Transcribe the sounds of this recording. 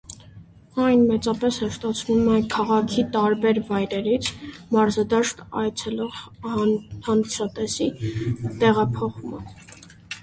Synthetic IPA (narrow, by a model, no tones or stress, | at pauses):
ɑjnmɛt͡sɑpɛshəʃt̪ɑt͡sʰnumɛkʰɑʁɑkʰit̪ɑɾbɛɾvɑjɾɛɾit͡sʰmɑɾzɑd̪ɑʃt̪ɑ̰jt͡sʰɛlɔʁ | hɑnd̪isɑt̪ɛsit̪ɛʁɑpʰɔχumə̰